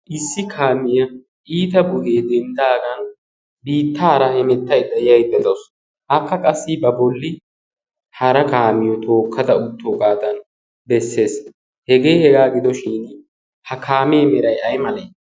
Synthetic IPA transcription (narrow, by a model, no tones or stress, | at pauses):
ʔɪsːɪkʰaːmɪjɐ | ʔiːt̪ɐbʊheːd̪ɛnd̪aːɡɐn | biːt̪ːaːɾɐhɛmɛt̪ːɐjd̪ɐɪjɐjbɛt̪ɐws | ʔɐkːɐkʼɐsːɪbɐbɔlːɪ | hɐɾɐkaːmɪjɔt̪o̞ːkʰːɐd̪ɐʊt̪ːoːɡʼaːd̪ɐn | bɛsːe̞ːs | hɛɡe̞ːhɛɡaːɡɪd̪ɔʃiːn | hɐkʰaːmeːmɛɾɐjɐjmɐlɛj